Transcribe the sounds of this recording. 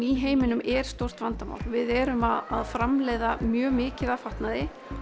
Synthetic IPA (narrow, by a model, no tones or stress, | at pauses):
iɦeːjmɪnʏmɛɾ̥st̪owr̥t̪vant̪ama̰wlvɪðɛɾʏmaðaðfɾamleːjðamjœːmɪːcɪðafaht̪naðɪ